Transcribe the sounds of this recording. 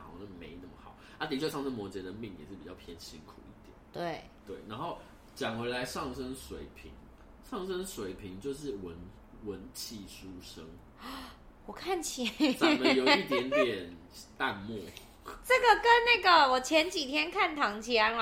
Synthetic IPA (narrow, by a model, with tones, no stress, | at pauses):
ɑ̰˨˩ʊna˥˩mḛ˧˥ɪnə˥˩mə˨˩xɑ̰˨˩˦ʊʔa˥t̪i˨˩y˥ɕɑ˥˧nə˥˩mwɔ˧˦t͡ɕjɛ˧˥d̪ə˨mi˥˩ŋjɛ˨˩ʂɻ̩˥˩pi˨t͡ɕjɑ˥˩pʰjɛ˦˥nɕḭ˦˥ŋkʰu˨˩i˥˩t̪jɛ̰˨˩˦nt̪we˥˩ɪ | t̪we˥˩ɪna˧˦nxo˥˩ʊ | t͡ɕjɑ˨˩ŋxwe˧˥ɪla˧˦ɪʂɑ˥˨˩ŋʂə˦ŋʂwe˨˩˦ɪpʰḭ˨˧˦ŋ | ʂɑ˥˨˩ŋʂə˦ŋʂwe˨˩ɪpʰi˧˥ŋt͡ɕjo˥˧ʊʂ̬ɻ̩˥˩wə˨˦n | wə˧˦nt͡ɕʰi˥˨˩ʂu˦ʂə˦ŋ | wɔ˨˩kʰa˥˩nt͡ɕʰi˨˩t͡sa˦mə˨njo˨˩i˥˩t̪jɛ˦˥nt̪jɛ˨˩n | t̪a˥˧˨nmwɔ˥˨ | ʈ͡ʂə˥˩ɡə˨kə˦nna˥˩ɡə˨wɔ˨˩t͡ɕʰjɛ˧˦nt͡ɕi˨˩t̪ʰjɛ˥nkʰa˥˩nt̪ʰɑ˧˥ŋt͡ɕʰi˧˥a˧˥n˧